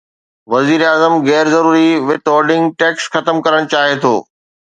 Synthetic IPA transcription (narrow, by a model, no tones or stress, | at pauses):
ʋɐziːɾaːzəmɣɛːɾzɐɾuːɾiʋɪt̪ɔːɾɖɪ̃ŋɡʈeːksxɐt̪əmkɐɾəɽ̃t͡ɕaːɦet̪ʰo̰ː